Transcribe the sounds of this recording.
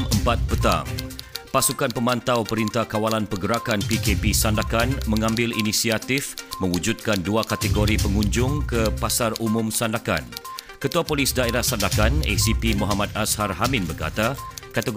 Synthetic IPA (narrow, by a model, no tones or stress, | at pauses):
məmpat̪̚pət̪a̰ŋpasukanpəmãnt̪awpəɾint̪ahkawalanpəɡəɾakanpikepisandakanmə̃ŋãmbɪlinisiat̪ɪfmə̃wud͡ʒud̪̚kanduakat̪əɡoɾipəŋuɲd͡ʒʊŋkəpasarumʊ̃msandaka̰n | kət̪uapolisdaeɾahsandakanɛ̰sipimuɦamat̪asharɦamɪ̃nbərka̰t̪akat̪əɡ